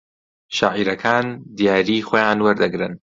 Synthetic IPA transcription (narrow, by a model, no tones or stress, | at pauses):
ʃaːʕiɾɐkʰaːnd̪ijaːɾiːxoːjaːnwɐɾd̪ɐɡɾɨn